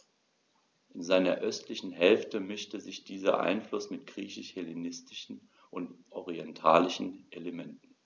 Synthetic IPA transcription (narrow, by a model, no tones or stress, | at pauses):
ʔɪnzaɪnɐʔœstʰlɪçn̩ɦɛlftəmɪʃtəzɪçd̥iːzɐ̰ʔa̰ɪnflʊsmɪtɡ̥ʁiːçɪʃhɛlenɪstɪ̥ʃn̩ | ʔʊntʔɔʁiɛntʰaːlɪʃn̩ʔeləmɛntn̩